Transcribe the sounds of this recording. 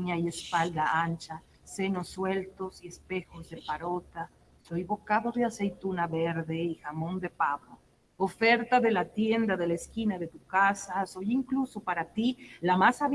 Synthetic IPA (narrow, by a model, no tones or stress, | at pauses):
ɲaje̞spald̪aant͡ʃa | se̞no̞sːwe̞lt̪o̞sie̞spe̞xo̞zðe̞paɾot̪a | so̞jβo̞kaðo̞ðeasejt̪unaβeɾðe̞ixamo̞nd̪e̞paβɾo | ofe̞ɾt̪aðe̞lat̪je̞nd̪aðe̞laeskinaðe̞t̪ukasaso̞jiŋkluso̞paɾat̪ilamasaβ